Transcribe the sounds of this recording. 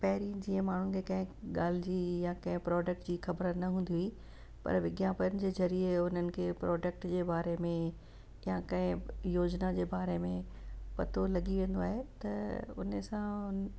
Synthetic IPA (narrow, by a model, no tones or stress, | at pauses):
pɐɦɪɾid͡ʑiːə̃maːɳ̤ʊnɪ̆kʰekɐ̃ɦɪ̃ɠaːl̤ɪd͡ʑijakɐ̃ɦɪ̃pɾɔːɖək̚ʈd͡ʑiːxɐbɾənɐɦũːn̆d̪ii | pɐ̰ɾʋɪɡjãpəɾnɪ̆d͡ʑeːzɐɾieʊn̤ənɪ̆kʰeːpɾʔɔːɖək̚ʈd͡ʑeːbaːɾemẽ | jãkɐ̃ɦɪ̃joːd͡ʑnad͡ʑeːbaːɾemẽ | pɐt̪olɐɠiʋẽːn̆d̪oaːɦet̪ɐ̰ʊ̰nəsãʊn